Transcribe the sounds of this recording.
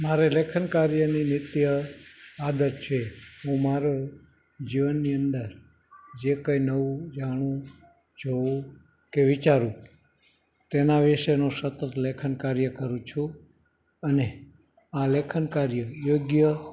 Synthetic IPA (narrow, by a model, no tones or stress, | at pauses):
maɾelekʰənkaɾjəninɪt̪jə | ad̪əɾt͡ʃʰeɦũmaɾo | d͡ʒiʋənːiənd̪əɾ | d͡ʒekəjnəʋũd͡ʒaɽ̃ũ | d͡ʒoũ | keʋit͡ʃaɾũ | t̪enaʋiʃenũsət̪ət̪lekʰənkaɾjəkəɾũt͡ʃʰũ | əne | ãlekʰənkaɾjəjoɡjə